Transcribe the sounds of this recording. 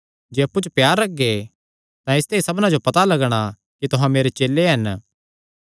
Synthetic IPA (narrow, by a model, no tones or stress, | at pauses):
d͡ʒeːɐpːut͡ʃpjaːɾːɐɡːe | t̪ãɪst̪eisɐbnad͡ʒopɐt̪alɐɡɽ̃a | kit̪ʊɦãmeːɾet͡ʃeːlːeɦɐn